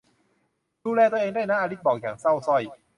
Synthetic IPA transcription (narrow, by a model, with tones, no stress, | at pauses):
duː˧lɛː˧t̪u˧ʔeː˧ŋdaː˥˩jnaː˦˥ʔaː˧ɾi˦˥t̪̚bɔː˨˩k̚jaː˨˩ŋsa˥˩wsɔ˥˩j